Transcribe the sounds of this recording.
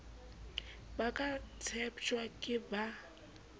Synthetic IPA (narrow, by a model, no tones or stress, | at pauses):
bakʼat͡sʰɛpʰt͡ʃʼwakʼɪba